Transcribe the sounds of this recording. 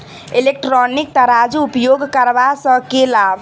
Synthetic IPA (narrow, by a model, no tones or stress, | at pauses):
elek̚ʈɾɔnik̚t̪aɾad͡ʒuːpjoɡkəɾbasə̃kelab